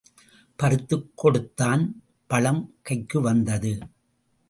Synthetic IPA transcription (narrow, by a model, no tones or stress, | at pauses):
pɐɾɯt̪ːɯkʰːɔɽɯt̪ːaːn | pɐɭɐmkɐɪkːɯʋɐnd̪ɐðɯ